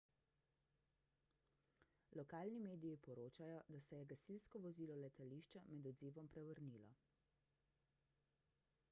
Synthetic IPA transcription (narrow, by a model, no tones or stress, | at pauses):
lɔkaːlnimeːd̪ijipɔɾoːt͡ʃajɔd̪asɛjɛɡasilskɔʋɔziːlɔlɛt̪aliːʃt͡ʃamɛd̪ɔd̪ziːʋɔmpɾɛʋəɾniːlɔ̰